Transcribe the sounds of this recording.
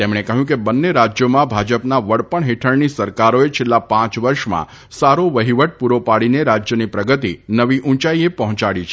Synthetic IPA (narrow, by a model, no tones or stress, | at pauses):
t̪emɽ̃ekəɦjũk̬ebənːeɾad͡ʒjomãbʱad͡ʒəpnaʋəɽpəɳɦeʈʰəɽnisəɾkaɾoet͡ʃʰelːapãt͡ʃʋəɾʃmã̰ | saɾoʋəɦiʋəʈ̚puɾopaɽineɾad͡ʒjənipɾəɡət̪inəʋiʔũt͡ʃaiepəɦɔ̃t͡ʃaɽit͡ʃʰ